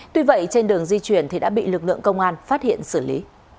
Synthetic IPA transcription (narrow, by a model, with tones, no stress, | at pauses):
t̪wi˧və̰˧˨jt͡ɕe˧nɗɨ˨˩əŋzi˧t͡ɕwi˧˩ənt̪ʰi˨˩ɗa̰ː˧˥ɓḭ˧˨lɨ˨˩k̚lɨ̰˧˨əŋkə˧wŋ͡mʔaː˧nfaː˦˥t̚hḭ˧˨ənsɨ˧˩lḭ˨˦